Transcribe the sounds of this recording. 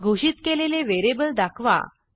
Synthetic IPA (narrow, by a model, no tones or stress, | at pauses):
ɡʱuɕit̪keleleʋeɾebəld̪akʰʋa̰